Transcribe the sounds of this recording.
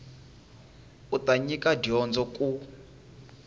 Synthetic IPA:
utaɲikadiɔnd͡zɔkʼu

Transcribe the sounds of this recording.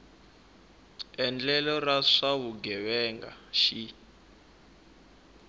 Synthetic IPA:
ɛnd͡ɮɛlɔraʂawuɡɛβɛŋɡa̰ʃi

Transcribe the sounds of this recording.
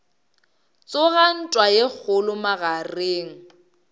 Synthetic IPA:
t͡sʼʊɣan̩tʼwajek͡xʰʊlʊmaɣareːŋ̩

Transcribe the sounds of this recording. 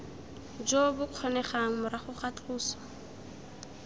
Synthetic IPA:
d͡ʒobʊq͡χʰɔnɛχaŋ̩mʊɾaχʊχatruːsɔ̥

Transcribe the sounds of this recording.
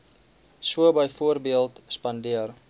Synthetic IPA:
suəbəjfuərbiəlˠtspɐndiər

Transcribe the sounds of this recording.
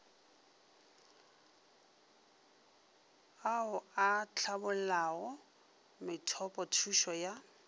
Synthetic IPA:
aʊat͡ɬʰabʊl̩laɣɔ | mɪtʰɔpʼɔtʰuʃɔja

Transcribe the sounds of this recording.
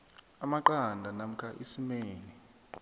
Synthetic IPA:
amaǃandʱanam̩kʰʼaʔisimɛːlɛ

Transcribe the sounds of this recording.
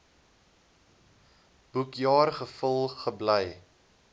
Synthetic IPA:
b̥ukjɑːrχəfəlˠχəbləj

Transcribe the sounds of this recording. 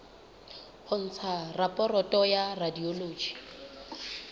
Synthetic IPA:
hʊn̩t͡sʰarapʼɔrɔtʼɔjaradioloːd͡ʒi̥

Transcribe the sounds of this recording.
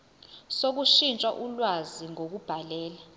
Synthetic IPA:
sok̬uʃint͡ʃʼwaʔulwaziŋok̬ub̥ʱalɛːla

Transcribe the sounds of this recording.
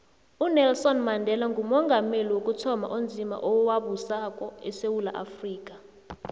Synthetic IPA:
unɛlsɔnmandʱɛlaŋɡʱumɔŋɡʱameliwokʼutʰɔma̰ʔond͡zʱima̰ʔɔwaɓusakʼɔɛsewula̰ʔa̰friːk̬ʼa

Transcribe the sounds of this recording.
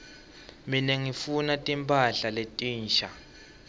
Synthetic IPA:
minɛŋifunatʼimpʰʼaɬaletʼiːnʃa

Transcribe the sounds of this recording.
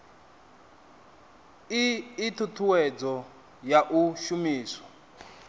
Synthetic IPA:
iːt̪ʰutʰuwɛd͡zɔ | jaʔuʃumiːsɔ̥

